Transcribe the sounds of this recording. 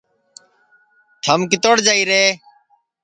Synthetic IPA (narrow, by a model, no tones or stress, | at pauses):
t̪ʰəmkɪt̪oːɽd͡ʒaːiːɾeː